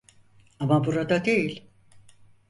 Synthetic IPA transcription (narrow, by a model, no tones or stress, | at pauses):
amabuɾad̪ad̪ejilʲ